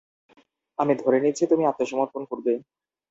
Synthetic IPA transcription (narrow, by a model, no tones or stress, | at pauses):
amid̪ʱoɾenit͡ɕʰit̪umiat̪ːaʃɔmoɾponkoɾbe